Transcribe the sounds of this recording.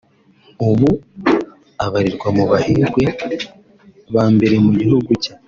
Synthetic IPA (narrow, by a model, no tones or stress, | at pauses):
uβu | aβaɾiɾɡwamuβahiɾɡwe̞ | βaːmbe̞ɾe̞muɟiɦuɡucḁ